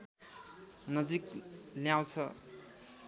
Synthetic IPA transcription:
nʌd͡zikljaw̃t͡sʰʌ

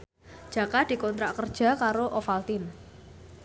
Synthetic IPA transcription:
ʒ̥a̤kad̥i̤kɔnt̪ɾaʔkərd̥ʒ̥a̤kaɾoʔɔfalt̪ɪn

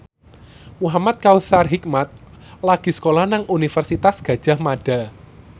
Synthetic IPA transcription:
muɦamat̪̚kawθarɦik̚mat̪̚ | laɡ̥i̤sə̥kolahnaŋunifərsit̪asɡ̥ä̤d̥ʒ̥a̤hmaɖ̥a̤

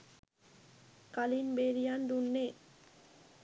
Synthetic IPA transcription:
kalinbeɾijand̪unːeː

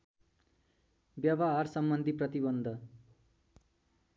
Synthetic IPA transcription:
bjʌbaɦarsʌmbʌnd̪ʱiprʌt̪ibʌnd̪ʱʌ

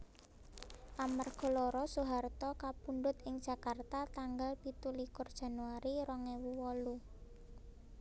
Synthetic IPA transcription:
ʔamarɡ̥ɔ̤lɔɾɔsuɦart̪ɔkapuɳɖʊt̪ɪŋd̥ʒ̥a̤kart̪at̪aŋɡalpit̪ulikʊrd̥ʒ̥a̤nuaɾiɾɔŋɛwuwɔlu

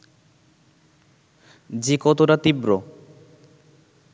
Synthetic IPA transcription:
d͡ʑikɔt̪oɾat̪ibɾo

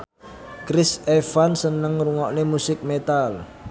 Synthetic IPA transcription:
kɾɪsefansənəŋruŋɔʔnemusɪk̚met̪al

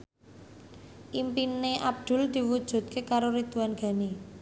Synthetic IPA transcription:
ʔimpineʔab̚d̪̥ʊ̤ld̪̥i̤wud̥ʒ̥ṳd̪̚kʰekaɾoɾit̪uanɡ̥a̤ni

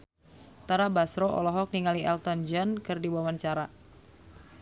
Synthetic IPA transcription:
t̪aɾabasɾɔʔɔ̰lɔɦɔk̚niŋaliɛlt̪ɔnd͡ʒankɨrdibuamant͡ʃaɾa

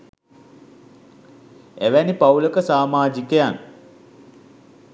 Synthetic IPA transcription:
æʋænipauləkəsaːmaːd͡ʒikəjan

